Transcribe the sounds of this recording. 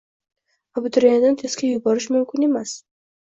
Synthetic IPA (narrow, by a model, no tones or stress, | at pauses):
abʊt̪ʰʊɾanɪd̪ant̪ʰe̞skʲajʊbɒɾɪʃmʊmkʲʰɪne̞mas